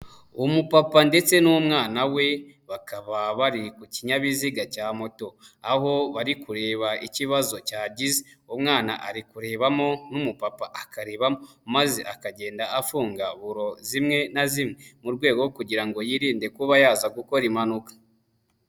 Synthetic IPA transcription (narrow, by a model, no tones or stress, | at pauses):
umupapande̞t͡se̞numŋaːnawe̞ | βakaβaβaɾikuciɲaβiziɡacaːmo̞to̞aɦo̞βaɾikuɾe̞ːβaʔiciβazo̞caːɟizeumŋaːna̰ʔaɾikuɾe̞ːβamo̞numupapaʔakaɾe̞ːβamo̞ | mazḛʔakaɟe̞ːndaːfuːŋɡaβuɾo̞zimŋe̞nazimŋe̞muɾɡwe̞ːɡookuɟiɾaŋɡo̞jiɾiːnde̞kuβajaːzaɡuko̞ɾimanukḁ